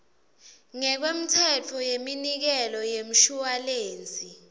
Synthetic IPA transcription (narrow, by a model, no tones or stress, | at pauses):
ŋɛk̬wem̩tʰɛtʰɔjeminik̬ɛlɔjem̩ʃualeːnt͡sʼi